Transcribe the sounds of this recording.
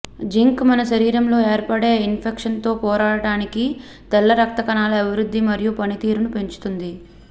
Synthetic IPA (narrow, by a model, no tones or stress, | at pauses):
d͡ʒiŋkmɐnɐʃɐɾiːɾɐmlo̞ːe̞ːɾpɐɽeːinpʰekʂɐnt̪o̞ːpɔːɾaːɽɐʈaːniki | t̪ɐlːɐɾɐk̚t̪ɐkɐnaːlɐɐbʱiɾud̪ːimɐɾijupɐnit̪iːɾunupe̞ɲt͡ʃu̥t̪und̪i